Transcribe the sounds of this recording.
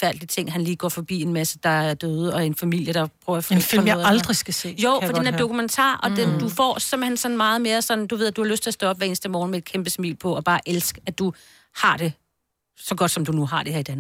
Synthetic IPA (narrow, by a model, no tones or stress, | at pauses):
fæɐ̰d̥lit͡sʰe̝ŋ̰ɦænliːɡ̥ɒ̰ːfɒ̽b̥ḭːe̝nmæsəd̥ɑ̈æɐd̥øːð̩ˠəɒ̽æɐenfæmil̰jəɾ̥ɑ̈pʰʁœʊɐffilmjɑɑld̥ʁisɡ̥æse̝̰ːjoʊ̰ffɒdiidenæɐd̥o̝kʰument͡sʰɑ̰̈ɐ̰ʔɒ̽d̥emd̥ufɒ̰ːsemb̥̩hensɒ̽nmɑ̈ːð̞̩ˠme̝ːɐsɒ̽nd̥uʋe̝ð̰ˠd̥uhɑ̈løsd̥t͡sʰe̝lɐsd̥ɔ̽ɒ̽b̥ʋæɐe̝ːn̩sd̥əmɒːn̩mee̝d̥̚kʰemb̥əsmḭːlpʰɒ̽ɒ̽b̥ɑ̈ːʔelsɡ̥æd̥u | hɑ̈ɾ̥e̝ | sɒ̽ɡ̥ɒ̽d̥sɒ̽md̥unuɦɑ̈dɾ̥e̝heɐ̰id̥æn